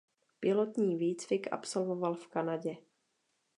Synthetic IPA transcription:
pɪlot̪ɲiːviːt͡svɪkʔa̰psolvo̞valfkanaɟɛ

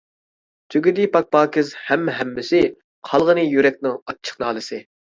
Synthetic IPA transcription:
t̪ʰøɡʲyd̪ɪpʰɑk̚pɑːkʲɪzhɛmɦɛmːɪsɪ | qʰɑlˠʁənɨjyɾɛk̚ʲnɪŋɑt͡ʃʰːə̥χnɑːlˠɨsɪ

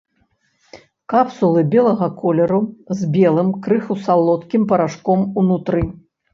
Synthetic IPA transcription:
kapsulˠɨbʲɛlˠɐɣɐkʰɔlʲɛɾuzbʲɛlˠɨmkɾɨxusalˠɔt̪kʲimpɐɾaʂkɔmunut̪ɾɨ

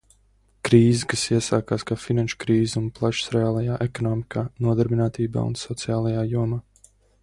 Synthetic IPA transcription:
kɾiːzɨkasiɛsaːkaːskaːfinanʃu̥kɾiːzunplˠaʃu̥sɾeaːlˠajaːʔekɔnɔːmikʰaːnuɔd̪aɾbinaːt̪iːba̰ːṵnsɔt̪sijaːlˠajaːjuɔmaː

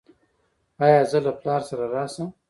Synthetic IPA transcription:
ɑjɑːzəlaplɑɾsaɾaɾɑsəm

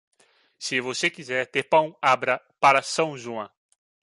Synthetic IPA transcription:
sɪvosekizɛɾt̪eɾpɐ̃w̃abɾɐ | paɾɐsɐ̃w̃ʒuɐ̃

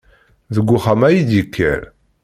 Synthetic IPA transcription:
ðəɡʷːuχamæjid̪ikʰːæ̰ɾ

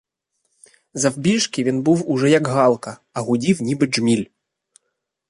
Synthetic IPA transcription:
zɐwbʲiʂkʲivʲenbɨwuʐɛjɐɡɣɑlˠkɐ | ɐɣudʲiwnʲibɨʐmʲilʲ

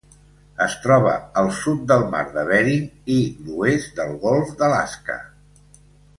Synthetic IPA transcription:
əst̪ɾɔβ̞ə̰əlˠsut̪̚d̪əlˠma̰ɾðəβɛɾiniluezd̪əlˠɣɔlˠfd̪əlaskə̰

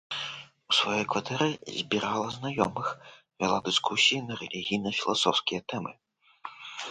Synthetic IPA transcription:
usvajɔjkvat̪ɛɾɨzʲbʲiɾalˠɐznajɔmɨx | vʲɛ̰lˠad̪ɨskusʲijinɐɾɛlʲiɣʲijnɐfʲilˠa̰sɔwskʲijɐt̪ɛmɨ

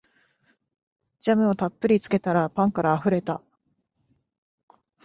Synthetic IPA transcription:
d͡ʑamɯ̟o̞t̪apːɯ̟ɾʲit͡sɨ̥ke̞t̪aɾapãŋkaɾaːɸɯ̟ɾe̞t̪a

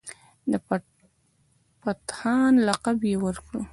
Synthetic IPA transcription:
d̪ə | pat̪hɑnlaqabjewəɾkɽo

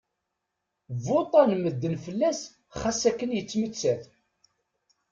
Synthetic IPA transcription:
vot̪ˤɑnməd̪ːənfəlːæs | χæsækːənjət͡sːmət͡sːæθ

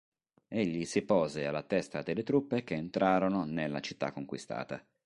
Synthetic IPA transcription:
eʎːisipɔːzealːat̪ɛst̪ad̪elːet̪ɾupːek̟eːnt̪ɾʔaːɾononelːa̰t͡ʃit̪ːa̰kːoŋkwist̪a̰ːt̪a̰

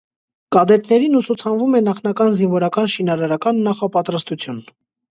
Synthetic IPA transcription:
kɑd̪ɛt̪nɛɾinusut͡sʰɑnvumɛnɑχnɑkɑnzinvɔɾɑkɑnʃinɑɾɑɾɑkɑnːɑχɑpɑt̪ɾɑst̪ut͡sʰjun

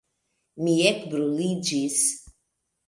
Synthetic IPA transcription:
miɛkbɾulid͡ʒis

